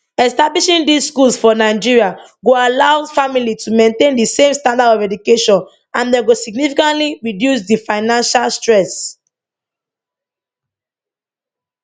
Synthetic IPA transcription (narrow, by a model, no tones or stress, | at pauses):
ɛstabliʃĩndisskulsfɔnaɪd͡ʒiɹia | ɡoalaʊfamilitʰumẽntẽndisẽmstãndadɔvɛdukeʃɔ̃n | ãndɛɡosiɡ̚nifikãntliɹidjus̬difaɪnãnʃalstɹɛs